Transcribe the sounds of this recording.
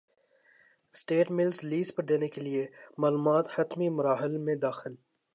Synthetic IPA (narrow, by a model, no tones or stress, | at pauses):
sʈeːʈmɪlzliːzpɐɾd̪eːnekeliemaːluːmaːt̪hɐt̪mimʊɾaːɦɪlmẽd̪aːxɪl